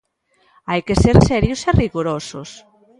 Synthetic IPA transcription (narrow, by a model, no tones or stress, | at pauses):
ajkeseɾsɛɾjʊseriɣoɾosos